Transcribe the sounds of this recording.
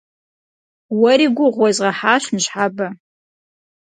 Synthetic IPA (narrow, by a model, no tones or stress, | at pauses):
waɾiɡʷʊʁʷazʁaħaʃʷnʃʷħaba